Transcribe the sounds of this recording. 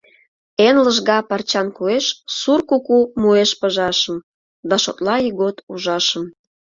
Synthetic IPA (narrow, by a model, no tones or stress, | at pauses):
enləʒɣɑpɑrt͡ɕɑnkueʃsurkukumueʃpəʒɑʃəm | d̪ɑʃo̰t̪lɑiɣot̪uʒɑʃəm